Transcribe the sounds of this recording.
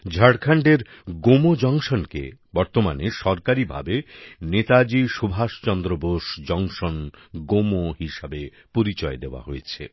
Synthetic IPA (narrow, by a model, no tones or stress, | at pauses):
d͡ʑʱaɽkʰaɳɖeɾ | ɡomod͡ʑɔŋʃonkḛbɔɾt̪omaneʃɔɾkaɾibʱa̰benet̪ad͡ʑiʃubʱaʃt͡ɕɔnd̪ɾoboʃd͡ʑɔŋʃonɡomohiʃabe | poɾit͡ɕɔed̪eoa̰ɦojet͡ɕʰḛ